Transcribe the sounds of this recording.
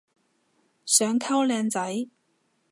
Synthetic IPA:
sœː˨˥ŋkʰɐ˥wlɛː˨˧nt͡sɐ˨˥j

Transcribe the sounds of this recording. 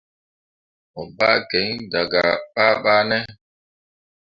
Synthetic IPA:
ɔ˨ba˦kɛ˨˦ŋda˨ɡa˨ɓa˦ɓaː˦nɛ˦

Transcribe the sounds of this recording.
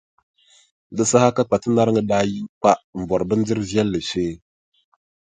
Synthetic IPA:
dɨ˦sa˦ha˦ka˦k͡pa˨tɨ˦na˦ɾŋɨ˦daː˦ji˦mk͡pa˦ʔm̩˨bɔ˨ɾɨ˨bɨ˦n˦dɪ˦ɾɨ˦vjɛ˦lːɨ˨ʃeː˦

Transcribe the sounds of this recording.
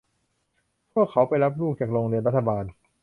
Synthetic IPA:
pʰu˥˩əkʰːa˩˦˥wpa˧jɾa˦˥p̚ɾuː˥˩k̚t͡ɕaː˨˩k̚ɾoː˧ŋɾɯ˧nɾa˦˥t̪ʰːa˧baː˧n

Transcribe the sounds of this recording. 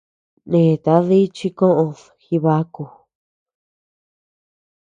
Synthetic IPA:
nẽː˨t̪a˧˦ði˦t͡ʃi˦kõ˦ʔõ˧ð | xi˧βa˧˦ku˧

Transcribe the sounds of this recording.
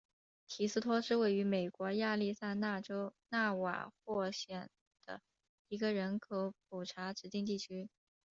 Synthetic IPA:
t̪ʰi˨˩sɹ̩˥˧t̪ʰwɔ˥ʂɻ̩˥˧we˥˩ɪy˧˥me˨˩ɪkwɔ˧˥ja˥˧li˥˧sa˥˧ɪna˥˩ʈ͡ʂo˥ʊna˥˩wa̰˨˩xwɔ˥˩ɕjɛ˨˩n | d̪̥ə̰˦ | i˧˥ɡə˧ɻə˧˥nkʰɤ˧˥p̚u˨˩ʈ͡ʂʰa˧˥ʈ͡ʂɻ̩˧˥t̪i˥˧ŋt̪i˥˩t͡ɕʰy˥

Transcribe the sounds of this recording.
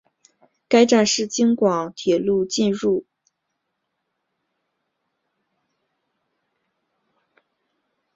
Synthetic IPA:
ka˥ɪʈ͡ʂa˥˧nʂɻ̩˥˩t͡ɕi˥ŋkwɑ˨˩˦ŋt̪ʰjɛ˨˩lu˥˧t͡ɕi˥˧nɻu˥˩

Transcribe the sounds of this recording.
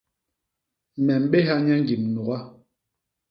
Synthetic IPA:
mɛ˨m̩˨ɓe˦ɦa˦ɲɛ˦ŋ˦ɡi˨mnu˨ɡa˦

